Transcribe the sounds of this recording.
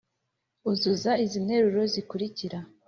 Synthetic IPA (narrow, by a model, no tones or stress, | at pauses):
uzuzaizinhe̞ɾuɾo̞zikuɾiciɾa